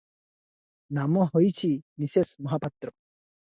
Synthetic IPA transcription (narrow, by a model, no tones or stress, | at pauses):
namɔɦojt͡ɕʰinisesmɔɦapat̪ɾɔ